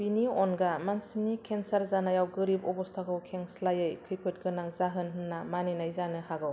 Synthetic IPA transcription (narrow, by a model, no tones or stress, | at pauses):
biniɔnɡamansimnikʰensaɾzanajawɡɯɾibɔbɔstʰakɯwkʰeŋslajɯjkʰɯjpʰɯt̚ɡɯnaŋzaɦɯnɦɯnːamaninajzanɯhaɡɯw